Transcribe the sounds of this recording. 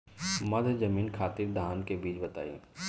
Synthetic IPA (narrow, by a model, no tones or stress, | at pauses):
mɐd̪ʱd͡ʒɐmiːnkʰaːt̪iɾd̪ʱaːnkebiːt͡ʃbɐt̪a̰ːḭː